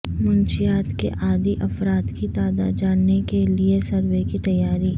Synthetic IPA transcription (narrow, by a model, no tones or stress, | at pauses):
mʊnʃijaːt̪kḛʔaːd̪iʔɐfɾaːt̪kit̪aːd̪a̰d͡ʒaːɽnekeliesɐɾʋekit̪ɐjːaːɾiː